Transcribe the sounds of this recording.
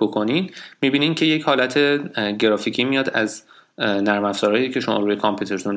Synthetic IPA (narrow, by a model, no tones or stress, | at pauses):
bokʰo̞nid̪mibiːnimcʰe̞jechɒːlæt̪ʰe̞ɟe̞ɾɒːficʰiːmijɒːd̪æz | næɾmæfz̥ɒːɾɒːjiːcʰe̞ʃomɒ̰ːɾuːje̞kʰɒmpʰjuːt̪ʰe̞ɾt̪ʰun